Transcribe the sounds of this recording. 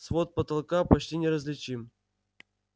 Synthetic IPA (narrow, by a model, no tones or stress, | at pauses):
svot̪̚pət̪ɐlˠkapɐt͡ɕtʲinʲɪɾəzʲlʲɪt͡ɕim